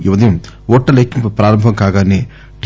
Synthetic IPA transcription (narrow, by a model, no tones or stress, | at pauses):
ɪʋɐd̪ɐjum | oːʈːɐlɐkːumpɐpɾaːɾɐmbʱɐmkaːɣaːneː | ʈ